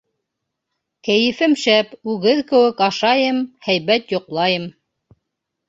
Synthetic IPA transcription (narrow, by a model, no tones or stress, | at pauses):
kæjɘ̆fɘmʃæpʉɣɘðkɘ̆wɘkɑʃɑjɤmhæjβæt̪jŏqlˠɑjɤm